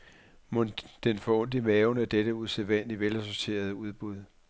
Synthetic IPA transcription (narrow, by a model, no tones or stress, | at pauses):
mond̥enfɒ̽ɔ̽n̰d̥imɛːʊnəæɐd̥eɾ̥əuðˠseʋæn̰liʋelæso̝t͡sʰe̝̰ːɐð̞ˠəuð̞ˠb̥uð̞ˠ